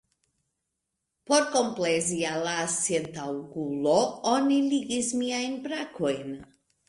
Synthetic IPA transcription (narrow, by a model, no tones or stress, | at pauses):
poɾkomplezialasjent̪awɡuloɔniliɡizmiajnbɾakojn